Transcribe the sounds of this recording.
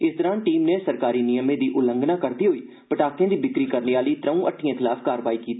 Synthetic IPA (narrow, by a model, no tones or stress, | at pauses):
ɪsd̪əɾaːnʈiːmneːsəɾkaːɾiːnɪjəmẽːd̪iːʔʊlə̃ŋɡnaːkəɾd̪iːɦoiː | pəʈaːkʰjãːd̪iːbɪkɾiːkəɾneːaːliːt̪ɾəũːʔəʈʰːijãːɪt̪ɪlaːpʰkaːɾʋaːikiːt̪iː